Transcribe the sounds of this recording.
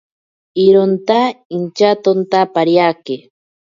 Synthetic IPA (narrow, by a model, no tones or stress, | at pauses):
iɾont̪aint͡ʃat̪ont̪apaɾjake